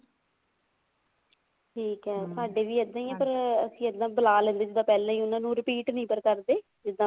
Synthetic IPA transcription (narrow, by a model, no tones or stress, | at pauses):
ʈʰiːkɦɛːt̪ʊaːɖeːʋiːəd̪ːãːiːɛ̃ːpəɾəsĩːəd̪ːãːbəlaːlɛ̃ːnd̪eːd͡ʒɪd̪ãːpɛːlãːĩːʊnãːnũːɾɪpiːʈnĩːpəɾkəɾd̪eː | d͡ʒɪd̪ãː